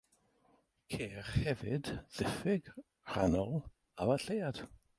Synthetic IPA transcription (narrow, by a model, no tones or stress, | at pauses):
kʰeːχhɛvɪdðɪfɪɡ | r̥a̰nɔlˠ | avaɬejad̥